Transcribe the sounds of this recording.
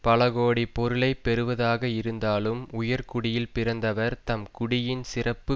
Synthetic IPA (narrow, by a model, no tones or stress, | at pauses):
pɐlɐɣoːɽipɔɾɯɭɐɪpːɛɾɯʋɐðaːɣɐɪɾɯnd̪aːlɯmʊjɐɾkʊɽɪjɪlpɪɾɐnd̪ɐʋɐɾt̪ɐmkʊɽɪjɪnsɪrɐpːɯ